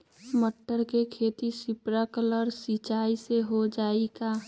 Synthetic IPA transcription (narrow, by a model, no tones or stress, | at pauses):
məʈːəɾkekʰeːt̪isɪpɾakələɾsit͡ʃaːiseɦod͡ʒaːika